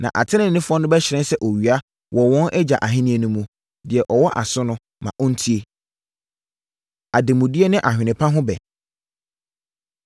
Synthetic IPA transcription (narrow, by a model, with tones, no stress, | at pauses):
nã̰˨ʔa̰˨tʰɪ̃˦nɪ̃˨n˨nɪ̃˦fʊ˦ɔ˦nʊ̃˦bɛ˦ɕɪ˨ɾɛ̃˦n˦sɛ˦ʔo˨ɥi˨a˦ | wʔɔ˨wɔ̃˦nʔɛ˦d͡ʑa̰˨ʔa˨ɦɪ̃˦nĩ˦e˨nũ˦mũ˨ | dɪ˨ɛ˨ʔɔ˨wɔ˦ʔa˨sʊ̃˦nʊ̃˦ | mã̰˨ʔɔ˦n̩˦tʰi˦e˨ | a˨dɪ˨mʊ̃˨di˦e˦nɪ̃˦ʔa˨ɦᶣɪ˨nɪ̃˨pʰa˦ɦʊ̃˦bɛ̰˨